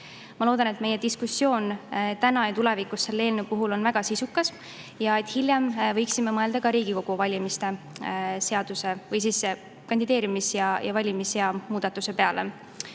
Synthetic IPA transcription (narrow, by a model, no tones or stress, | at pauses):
mɑloːd̪ɑne̞t̪me̞je̞d̪̥iskusːjo̞ːnt̪ænɑjɑt̪ule̞vikˑusːe̞lːeːlnupuɦulo̞nvæɡ̥ɑsisukːɑs | jɑe̞t̪hiljɑmvɤjksimemɤe̞ld̪ɑkɑɾiːɡ̥iko̞ɡ̥uvɑlʲimist̪e̞ | se̞ɑd̪̥use̞vɤjs̬isːe | kɑnd̪id̪eːɾimisjɑjɑvɑlʲimisjɑmuːd̪̥ɑt̪ːˑuse̞pe̞ɑle̞̰